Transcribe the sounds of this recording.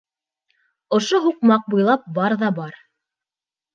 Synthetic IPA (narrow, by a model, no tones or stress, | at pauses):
ŏʃoɦuqmɑq̚bujlˠɑp̚bɑɾðɑbɑɾ